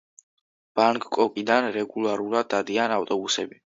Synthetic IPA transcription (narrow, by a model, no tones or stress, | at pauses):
b̥aŋkʼkʼɔkʼid̪anɾɛɡulˠaɾulˠad̪̚ːad̪ianaft̪ʼɔbusɛbi